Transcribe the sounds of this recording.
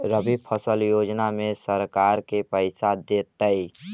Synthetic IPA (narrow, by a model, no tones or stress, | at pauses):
ɾəbipʰəsəljod͡ʒnamesəɾkaɾkepəɪsad̪et̪əj